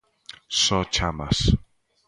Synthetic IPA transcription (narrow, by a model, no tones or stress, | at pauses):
sɔt͡ʃʰama̰s